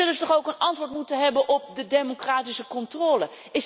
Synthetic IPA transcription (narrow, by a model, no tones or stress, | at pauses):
ɵləzətɔχowkənɑntʋʊːɹtmutəɦɛbənʔɔp̚dədejmokraːtisəkɔntroːlə | ɪ